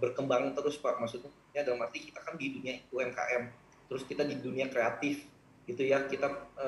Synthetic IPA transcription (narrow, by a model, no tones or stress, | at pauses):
bərkəmbaŋt̪əɾʊskaʔmasʊt̪u | jadalamərt̪ikit̪akandiduniaiuɛnka̰ʔɛm | t̪əɾʊskit̪adiduniakɾeat̪ɪf | ɡit̪ujakit̪aə